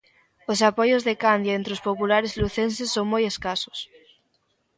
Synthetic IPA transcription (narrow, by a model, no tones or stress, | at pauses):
osapojozðekand̪jaẽnt̪ɾeospopulaɾezluθensesːoŋmojeskaso̥s